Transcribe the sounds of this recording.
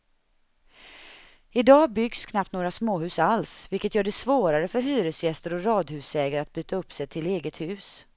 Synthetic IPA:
ɪd̪ɑːbʏɡskʰnap̚t̪noːɡɾasmoːɦʉ̟ːsalsvɪlkːət̪jœːɖɛsvoːɾaɾəfœɾɦyːɾəsjɛst̪əɾɔɾɑːd̪hʉ̟ːsɛːɡaɾat̪̚byːt̪ʰaɵpːsɛjt̪ʰɪleːɡət̪hʉ̟ːs

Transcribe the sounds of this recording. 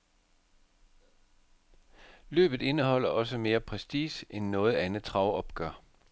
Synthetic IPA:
lø̰ːb̥ð̩ˠe̝nəhɒ̽l̰ɐʔɒ̽səme̝ːɐpʰʁɛsd̥iːsenːɔ̽ːð̞̩ˠænð̩ˠt͡sʰʁɑ̈ʊɒ̽b̥ɡ̥ɶɐ

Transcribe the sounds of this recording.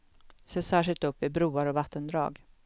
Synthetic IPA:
seːsæːʂɪlt̪ɵpːvɪbɾuːaɾɔvat̪ʰːənd̪ɾɑ̰ːɡ

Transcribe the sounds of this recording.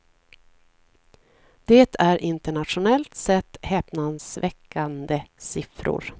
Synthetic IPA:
d̪̥eːt̪ʰæɾʔɪnt̪əɳat̪ʂʊnɛlt̪sɛt̪ːhɛːpnansvɛkʰːand̪əsɪfɾʊ̰ɾ

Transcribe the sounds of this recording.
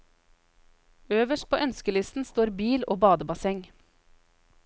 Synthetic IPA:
øːʋəʃʈ̚pʰoːʔœnskəlɪst̪n̩st̪oːɾbiːlo̰ːbɑːd̪əbɑsɛŋ

